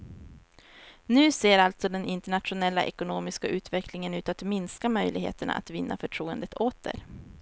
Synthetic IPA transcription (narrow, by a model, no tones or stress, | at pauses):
nʉ̟ːseːɾalt̪sɔd̪ɛnɪnt̪əɳat̪ɧʊnɛlːaʔɛkʊnoːmɪskaʔʉ̟ːt̪vɛklɪŋənʉ̟ːt̪at̪mɪnskamœjlɪɡhḛːt̪əɳa̰a̰t̪vɪnːʔa̰fœʈʰɾuːənd̪ət̪ʰoːt̪ə̰ɾ